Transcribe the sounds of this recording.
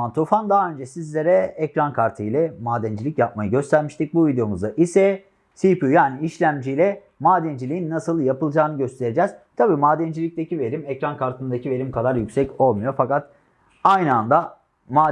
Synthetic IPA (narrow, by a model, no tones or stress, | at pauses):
ant̪ʰofand̪aɦaø̞nd͡ʒɛsizlʲeɾɛɛcɾankʰaɾt̪ʰɯjlʲɛmaːd̪ænd͡ʒilʲicjap̚majɯɟø̞st̪ʰæɾmiʃt̪ʰic̚buvid̪ejo̞muzd̪aʔisɛ | sipʰujaːniːʃlʲæmd͡ʒijlʲɛ | maːd̪ænd͡ʒilʲijinːasɯlˠjapɯlˠd͡ʒaːnɯɟø̞st̪ʰe̞ɾed͡ʒɛːz̥t̪ʰabiːmaːd̪ænd͡ʒilʲic̚t̪ʰecive̞ɾimɛcɾankʰaɾt̪ʰɯnd̪acʰive̞ɾimkʰad̪aɾjycʲsɛco̞lˠmujo̞fakat̪ | ajnɯand̪a | maː